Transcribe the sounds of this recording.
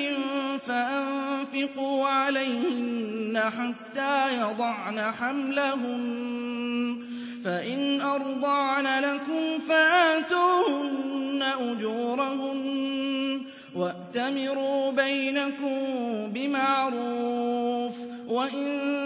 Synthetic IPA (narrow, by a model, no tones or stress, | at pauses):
ɪfaʔanfɪquːʕalajhhɪnːaħat̪ːaːjɑd̪ˤɑʕnaħamlaɦʊm | faʔɪnʔɑɾˤd̪ˤɑʕnalakʊmfaʔaːt̪uːhʊnnnːaʔʊd͡ʒuːɾˤahʊn | waʔt̪amɪɾuːbajnakʊmbɪmaʕɾuːf | waʔɪn